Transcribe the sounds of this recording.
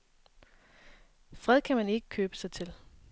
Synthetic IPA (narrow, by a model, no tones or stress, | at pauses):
fʁɛð̞̰ˠkʰæmæne̝ɡ̥ə̥kʰøːb̥ə̥sɑ̈ɪt͡sʰel